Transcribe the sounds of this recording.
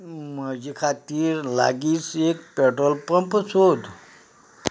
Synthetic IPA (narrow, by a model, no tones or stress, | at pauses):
məd͡ʑikʰat̪iːɾla̰ɡiːt͡sek̚pɛʈɾəlpəmpt͡sʰod̪